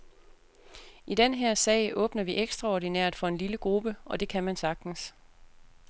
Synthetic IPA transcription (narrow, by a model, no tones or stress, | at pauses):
id̥enɦeɐ̰sɛ̰ɪʔɔ̽ːb̥nɐʋiʔeɡ̥sd̥ʁɑ̈ɒdinɛɐ̰d̥fɒ̽e̝nliləɡ̥ʁub̥əʔɒ̽d̥e̝kʰæmænsɑ̈ɡ̥̚d̥n̩s